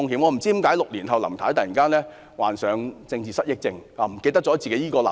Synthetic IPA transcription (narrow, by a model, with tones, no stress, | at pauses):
ʊ˧ŋhiː˨˥mŋɔː˨˧m̩˨˩t͡siː˥˩i˧˥mkaː˨˥jlʊ˨k̚liː˨˩nɦɐ˨wlɐ˨˩mt̪ʰaː˨˥jt̪ɐ˨ji˨˩ŋkaː˥nlɛː˥ | wa̰ː˨nsœː˨˧ŋt͡sɪ˧ŋt͡siː˨sɐ˥t̚jɪ˥k̚t͡sɪ˧ŋaː˨˧m̩˨˩ke˧t̪ɐ˥k̚t͡sɔ˨˧˥t͡si˨ke˨˦˥jiː˥kɔː˧lɐ̰˨